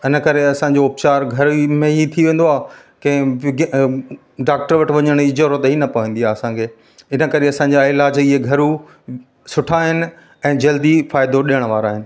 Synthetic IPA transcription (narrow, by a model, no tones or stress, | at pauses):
ɪnə̆kɐɾeɐsãɲ̆d͡ʑoʊpt͡ɕaːɾɡʱɐɾmẽɦit̪ʰiʋẽːn̆d̪oaː | kɐ̃ɦɪ̃ɡ | ɖaːk̚ʈəɾʋɐʈɪ̆ʋɐɲəɽ̃ɪd͡ʑəɾot̪ɦinɐpɐʋə̃nd̪iaːɐsãkʰeː | ɪnə̆kɐɾeɐsãɲ̆d͡ʑaɪlaːd͡ʑiɦeɡʱɐɾu | sʊʈʰaːɦɪnɪ̆ | ɛ̃ːd͡ʑɐld̪ifaːɪd̪oɗiəɽ̃ʋaːɾaːɦɪnɪ̆